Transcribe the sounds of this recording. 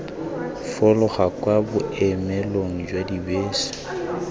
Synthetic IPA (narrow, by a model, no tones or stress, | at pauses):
fɔlʊχakwabʊɛmɛloŋ̩d͡ʒwadibeːsi̥